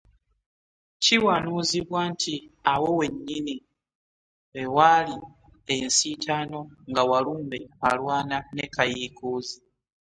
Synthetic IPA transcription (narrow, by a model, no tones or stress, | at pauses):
ciwanuːziβwaːntʰiawo̞we̞ɲːini | wewali | ensitʰaːno̞ŋɡawaluːmbe̞alwaːnane̞kajiːkuːzi